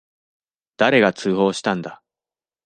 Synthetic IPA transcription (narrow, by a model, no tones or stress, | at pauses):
d̪̥aɾe̞ɡat͡sɨːɦo̞ːɕi̥t̪ãnd̪a